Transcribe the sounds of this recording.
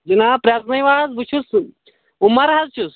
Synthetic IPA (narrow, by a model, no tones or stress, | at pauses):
d͡ʒinaːpɾʲaːt̪nɐjʋaːzbut͡ʃʰus | umːɐɾɦɐzt͡ʃʰus